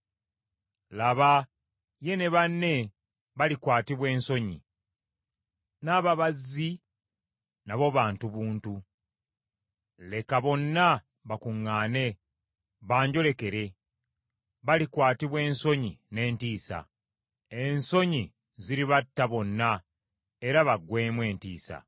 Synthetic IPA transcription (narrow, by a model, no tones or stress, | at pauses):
laβa | je̞ne̞βanːe̞ | βalikwaːtiβwe̞ːnso̞ɲḭ | naβaβazːi | naβo̞βaːntuβuːntu | le̞kaβo̞nːa | βakuŋːaːne̞ | βaːɲɟo̞le̞ke̞ɾe̞ | βalikwaːtiβwe̞ːnso̞ɲine̞ːntiːsa̰ | e̞nso̞ɲi | ziɾiβatːaβo̞nːa | eɾaβaɡwe̞ːmwe̞ːntḭːsa̰